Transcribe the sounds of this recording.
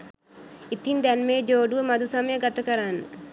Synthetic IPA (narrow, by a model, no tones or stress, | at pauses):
it̪ind̪ɛnmeːd͡ʒoːɖuʋəmɐd̪usɐməjəɡɐt̪ɐkɐɾanːə